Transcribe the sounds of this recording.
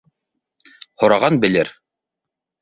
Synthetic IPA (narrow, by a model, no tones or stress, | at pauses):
hŏɾɑʁɑnbɘ̆lɘɾ